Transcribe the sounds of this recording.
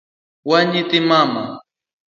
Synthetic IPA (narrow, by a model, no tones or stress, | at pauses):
waɲɪt̪ɪmama